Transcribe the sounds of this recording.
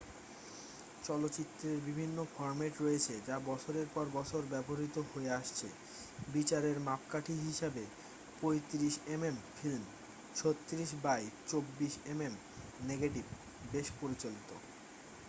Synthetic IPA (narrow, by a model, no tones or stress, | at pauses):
t͡ɕɔlotːt͡ɕit̪ːɾeɾbibʱinːofɔɾmeʈɾoet͡ɕʰed͡ʑabɔt͡ɕʰoɾeɾpɔɾbɔt͡ɕʰoɾbɛboɾit̪oɦoeaʃt͡ɕʰe | bit͡ɕaɾeɾmapkaʈʰiɦiʃabe | pojt̪iɾiʃememfilm | t͡ɕʰot̪ːiɾiʃ̬bajt͡ɕobːiʃemem | neɡeʈib | beʃpoɾit͡ɕolit̪o